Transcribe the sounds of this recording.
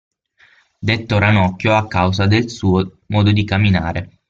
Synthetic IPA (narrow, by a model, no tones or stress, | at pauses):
d̪et̪ːoɾanɔkːjoakːawzad̪elsuːo | mɔːd̪od̪ikamːina̰ːɾe